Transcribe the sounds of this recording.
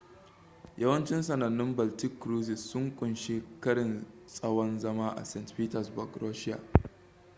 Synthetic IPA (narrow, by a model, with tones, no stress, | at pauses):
jɐ˦wɐ˦nt͡ʃɪ˦nsɐ˨nɐ˨nːɪ˦mbɐ˨ltɪ˦kːɾuː˦zɪ˨sːʊ˦ŋkʷʼʊ˨nʃe˦kɐ˦ɽɪ˨n | sʼɐ˦wɔ˦nzɐ˦maː˦ʔa̰˨sɛ˨ntpiː˦tɐ˨sbɔ˨ɡɾoː˦ʃɪ˦ja̰ː˨